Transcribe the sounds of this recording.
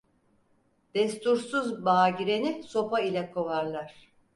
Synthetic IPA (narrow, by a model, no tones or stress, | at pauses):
d̪̥ɛst̪ʰuɾsuzbaːɟiɾe̞niso̞pailʲɛkʰo̞vaɾlˠaɾ̥